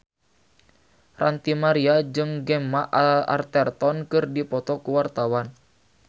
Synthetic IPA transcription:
rant̪imaɾiad͡ʒɨŋɡɛmːaʔa̰rt̪ɛrt̪ɔnkɨrdipɔt̪ɔkuwart̪awan

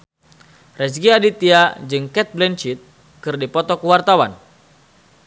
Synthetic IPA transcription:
rɛs̬ɡiadit̪iad͡ʒɨŋkɛt̪̚blɛnt͡ʃit̪̚ | kɨrdipɔt̪ɔkəwart̪awa̰n

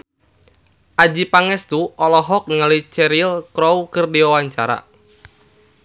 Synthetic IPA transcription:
ʔad͡ʒipaŋɛst̪uʔɔlɔɦɔk̚niŋalit͡ʃɛɾilkɾoukɨrdiwawaɲt͡ʃaɾa̰

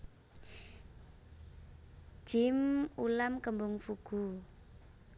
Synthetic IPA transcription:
ʒ̥ɪmulamkəmbʊŋfuɡ̥u

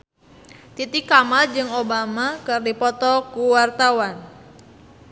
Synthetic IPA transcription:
t̪it̪ikːamald͡ʒɨŋobamakɨrdipɔt̪ɔkuwart̪awan

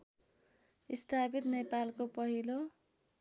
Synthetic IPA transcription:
ist̪ʰapit̪nepalkopʌɦilo

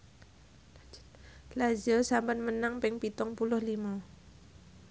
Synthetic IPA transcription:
lazəsampənmənaŋpɪŋpit̪ɔŋpulʊhlima

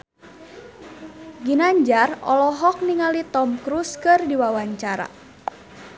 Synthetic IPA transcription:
ɡinaɲd͡ʒarɔ̰lɔɦɔk̚niŋalit̪ɔmkɾuskɨrdiwawaɲt͡ʃaɾa̰

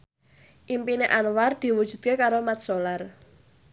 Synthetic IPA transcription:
ʔimpineʔanward̪̥i̤wud̥ʒ̥ṳt̪̚kekaɾomat̪̚solar

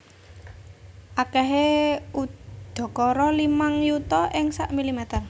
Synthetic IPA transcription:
ʔakɛɦeud̪̥ɔ̤kɔɾɔlimaŋjut̪ɔʔɪŋsaʔmilimɛt̪ər

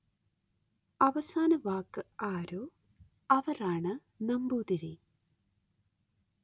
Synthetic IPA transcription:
ɐʋɐsaːnɐʋaːkːɨaːɾoː | ɐʋɐɾaːɳɨ | nɐmbuːd̪iɾi

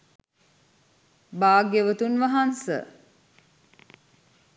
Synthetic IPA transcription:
baːɡeʋət̪unʋaɦansə̰

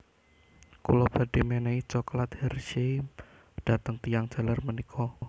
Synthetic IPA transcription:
kṵlɔb̥a̤d̥emeneit͡ʃɔklat̪hɛrʃe | d̥a̤t̪əŋt̪ijaŋ̥ʒ̥a̤larmənikʰɔ

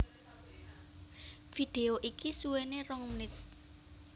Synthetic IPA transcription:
fid̪̥e̤oʔikisuwenerɔŋmnɪt̪̚

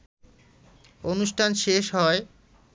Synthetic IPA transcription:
onuʃʈʰanʃeʃɦɔe

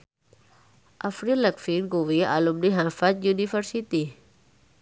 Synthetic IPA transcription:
ʔafɾilɛkfinɡuwia̰lumniɦafat̪̚junifərsit̪i

